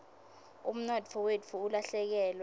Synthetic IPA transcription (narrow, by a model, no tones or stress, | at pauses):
ṵm̩nɔdfʰɔwedfuːlaɬɛk̬ɛːlw